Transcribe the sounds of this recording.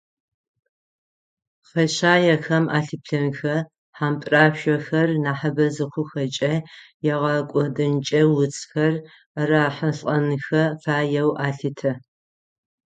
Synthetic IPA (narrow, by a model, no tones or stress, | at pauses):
χɐɕaːjɛxɐmʔa̰ːɬɨpɬɐnxɐ | ħaːmpʼraːʃʷɔxɐrnaːħɐbɐzɨχʷʊxɐt͡ʃʼɐjɛʁɐkʷʼɔdɨnt͡ʃʼɐwʊt͡sʼxɐr | raːħɐɬʼɐnɨxɐfaːjɛwʔaːɬɨtʰɐ